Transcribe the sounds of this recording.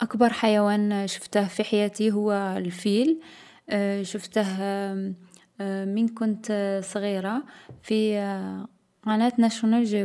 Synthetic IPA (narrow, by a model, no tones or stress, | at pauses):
ʔakbɑɾˤħajæwænʃʊ̥ft̪əhfiħajæt̪iɦʊwːælfil | ʃʊft̪əɦ | mənkʊnt̪sˤɣiɾɑfi | qɑnæt̪næʃunælʒæ